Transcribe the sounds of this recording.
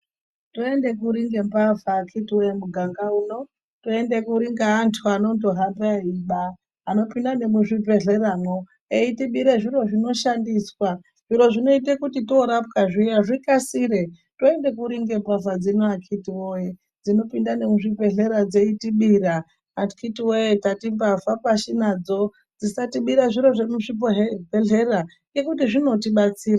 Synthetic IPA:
toe̞nde̞k̬uɾiŋɡe̞mpavakʰitiwojemuɡʱaŋɡauno̞ | toende̞kuɾiŋɡaːntʰuano̞nto̞ɦambaiɓaː | no̞pindane̞muʐipe̞ɮe̞raːno | eitiɓiɾeʐiro̞ʐino̞ʃandiːswa | ʐ̥iɾo̞ʐino̞itekutito̞ɾap̚kaʐijaʐikasiɾe | to̞e̞ndekuɾiŋɡe̞pafad͡zinoakʰitiwoje | d͡zino̞pindane̞muʐipe̞ɮe̞ɾad͡ze̞itiɓiɾa | kʰitiwojetatimbavapaʃinad͡zo̞ | d͡zisatiɓiɾaʐiɾo̞ʐe̞muʐipɦebeɮe̞ɾa | ekutiʐino̞tiɓat͡siːɾa

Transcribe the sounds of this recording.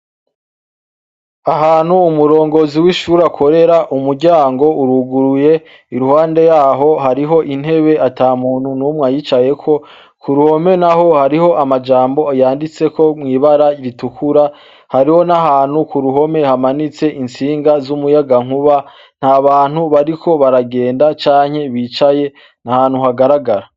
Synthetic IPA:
aɦaːnhuːmuɾo̞ːŋɡo̞ziwiʃuːɾakʰo̞ɾe̞ɾaʔumuɾɟaːŋɡo̞uɾuɡuɾuje̞ | iɾuhaːnde̞jaːɦo̞ɦaɾiɦo̞ʔin̥he̞βe̞ʔataːmuːnhunumŋajit͡ʃaje̞kʰo̞ | kuɾuho̞me̞naɦo̞haɾiho̞ʔamad͡ʒaːmbo̞ajaːndit͡se̞ko̞mŋiːβaɾaiɾitukʰuɾa | haɾiho̞naɦaːn̥hukuɾuɦo̞me̞hamanit͡se̞ʔint͡siːŋɡazumujaɡaŋhuβa | n̥haβaːn̥huβaɾikʰo̞βaɾaɡe̞ːndat͡ʃaːɲ̥he̞βiːt͡ʃaje̞ | nahaːn̥huɦaɡaɾaɡaɾa

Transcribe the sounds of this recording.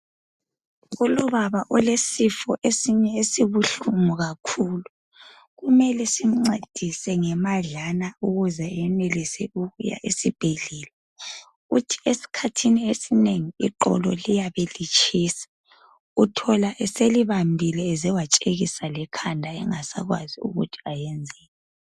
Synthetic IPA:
ɣulɔβaβaʔɔlesifɔʔesiɲɛesiβuɬuŋuɣakʰuːlu | ɣumɛlɛsiŋ͡ǀed̥ʱisɛŋɛmaɮanauɣuzɛɛnɛlisɛuɣuja̰ʔesib̥ʱeɮɛːlɛ | ɣutʰi̥esi̥kʰatʰiniesineŋiḭǃɔ̰lɔ̰lijaβelit͡ʃʰʼiːsḁ | utʰɔlaʔɛseliβambʱilɛːzɛwat͡ʃʼeɣisalɛkʰandʱaɛ̰ŋasa̰ɣwa̰ziṵɣṵtʰi̥ajɛnd͡zʱɛːlɛ

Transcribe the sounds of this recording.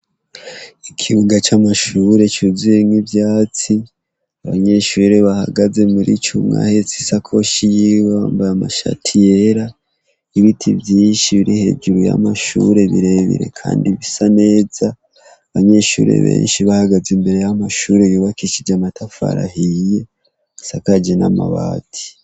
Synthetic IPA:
ikʰiβuŋɡat͡ʃamaʃuːɾe̞t͡ʃuzijeŋivjaːt͡si | aβa̰ɲe̞ʃuːɾe̞βaha̰ɡaze̞muɾʔḭt͡ʃumŋa̰het͡si̥sakʰo̞ʃijiwaːmbaamaʃa̰tʰije̞ɾa | iβitʰivjiːnʃiβiɾihe̞̰ːd͡ʒuɾuja̰maʃuɾe̞βḭɾe̞βḭɾe̞̰kʰaːndiβisane̞ːzaː | βaɲe̞ʃuːɾḛβḛːnʃiβahaɡazimbe̞ɾe̞jamaʃuːɾe̞juːβakiʃid͡ʒamatafa̰ɾa̰hije̞ | sakad͡ʒena̰ma̰βa̰ːtʰi̥

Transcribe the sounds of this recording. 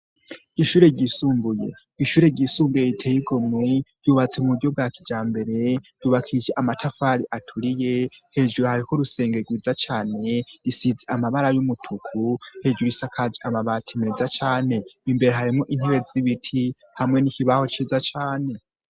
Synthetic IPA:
iʃuːɾe̞ɾɟisuːmbuje̞̰ | iʃuːɾe̞ɾɟisuːmbujeitʰeːjiɡo̞mwiɾ̥juːβat͡semuβuɟo̞b̚ɡaːkid͡ʒaːmbe̞ɾe̞ɾ̥juːβakʰid͡ʒeʔamatʰafaɾiʔatʰuɾije̞he̞ːʒuɾuhaɾiko̞ɾuse̞ːŋɡe̞ɡwiːzat͡ʃaːne̞ɾisizeamaβaɾajumutʰukʰuhe̞ːd͡ʒuuisakʰad͡ʒiʔamaβaːtʰimeːzat͡ʃaːne̞imbe̞ɾeɦaɾimŋoʔin̥heβe̞ziβitʰi | hamŋe̞nikiβaho̞t͡ʃizat͡ʃaːne̞

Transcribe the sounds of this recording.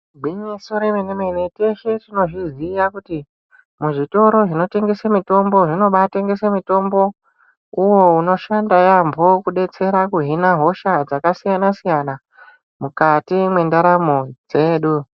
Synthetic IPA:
ɡʱwiɲesoɾemenemenete̞ʃetino̞ʐiziʋakuti | muʐito̞ɾo̞ʐino̞te̞ŋɡe̞samito̞mbo̞ʐino̞ɓate̞ŋɡesemito̞mbo̞ | uwo̞uno̞ʃandajambʱo̞kuɗe̞t͡se̞ɾakuɦinaɦo̞ʃad͡zakasijanasijana | mukatimwe̞ndaɾamod͡ze̞ːɗu

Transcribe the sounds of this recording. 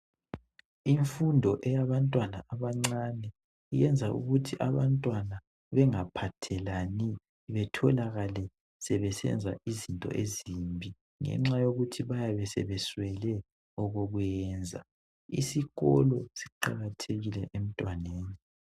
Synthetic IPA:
iɱfundʱɔʔɛjaβantʼwanaʔaβaŋ͡ǀanɛ | ijɛnd͡zʱaʔṵɣutʰiʔaβantʼwana | βɛŋapʰatʰɛlani | βɛtʰɔlaɣalɛ | sɛβɛsɛ̰nd͡zʱaʔizintʼɔ̰ʔezimbʱi | ŋɛ̰ŋ͡ǁajoɣutʰiβajaβɛsɛ̰βɛswɛlɛ | ɔɣoɣwjɛːnd͡zʱa̰ | ḭsiɣɔ̰lɔsi̥ǃaɣatʰeɣilɛʔem̩tʼwaneːni

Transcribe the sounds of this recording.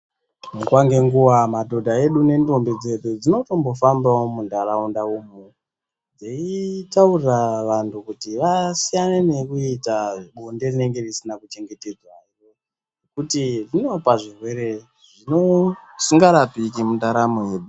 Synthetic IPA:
mukwaŋɡe̞ŋɡuwamadʱo̞dʱae̞ɗune̞ndombid͡ze̞ɗud͡zino̞to̞mbo̞fambaomundaraundaumu | d͡zeitauriraʋantʰukutiʋasijanene̞kuitaɓonde̞rine̞ŋɡe̞risinakut͡ʃe̞ŋɡe̞te̞d͡zwairo | nekutiʐino̞paʐirwe̞ɾe̞ | ʐino̞siŋɡaɾapikimundaɾamoe̞ːɗu

